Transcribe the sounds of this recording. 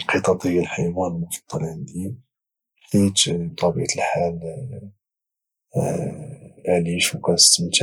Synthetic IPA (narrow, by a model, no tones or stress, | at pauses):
lqət̪ˤɑt̪ˤəjːəlħajwænlmʊfɑ̥t̪ˤːɑɾˤʕənd̪i | ħt̪it̪t̪ˤɑbəʕt̪əlħal | ʕliʃwkænst̪əmt̪